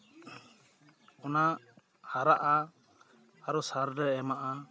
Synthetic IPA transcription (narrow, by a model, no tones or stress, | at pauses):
ɔna | haɾaʔaː | ɾɔsaɾɾɛɛmaʔa